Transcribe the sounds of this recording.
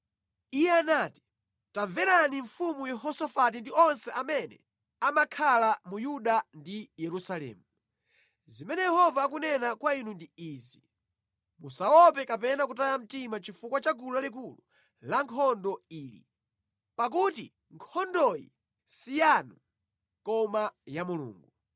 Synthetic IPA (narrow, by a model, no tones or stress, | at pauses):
ijɛanaːti̥ | taɱvɛɾaniɱfumujɛhɔsɔfat̬indiɔnsɛʔamɛnɛ̰ | amakʰalamujuɗandijɛɾusalɛ̰ːmu | zimɛnɛjɛhɔvaːkunɛnakwainundiiːzi | musawɔpɛkap̬ɛnakutajam̩timat͡ʃifukwat͡ʃakulualik̬ulu | laŋkʰɔndɔiːlḭ | pak̬uti | ŋkʰɔndɔjḭ | sijanu | kɔmajamulṵːŋɡu